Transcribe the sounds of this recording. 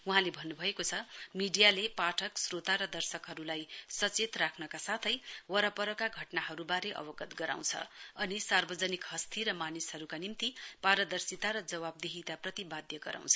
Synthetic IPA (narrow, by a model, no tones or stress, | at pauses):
uɦãlebʱʌnːubʱʌekot͡sʰʌmiɖijalepaʈʰʌksrot̪aɾʌd̪ʌrsʌkɦʌɾulajsʌt͡set̪rakʰnʌkasat̪ʰʌjwʌɾʌpʌɾʌkaɡʱʌʈnaɦʌɾubaɾeʔʌ̰bʌɡʌt̪ɡʌɾa̰w̃t͡sʰʌ̰ʌnisarbʌd͡zʌnikɦʌst̪ʰiɾʌmanisɦʌɾukanimt̪ipaɾʌd̪ʌrsit̪aɾʌd͡zʌwab̚d̪eɦit̪aprʌt̪ibad̪jʌɡʌɾa̰w̃t͡sʰʌ̥